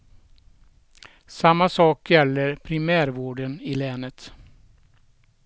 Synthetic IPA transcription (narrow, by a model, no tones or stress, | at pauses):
samːasɑːkjɛlːəɾpʰɾɪmæːɾvoːɖənɪlɛːnət̪